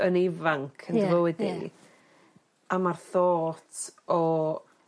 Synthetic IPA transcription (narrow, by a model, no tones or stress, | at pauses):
ənɪvaŋkʰəndvəwɪdḭ | amarθoːtʰɔ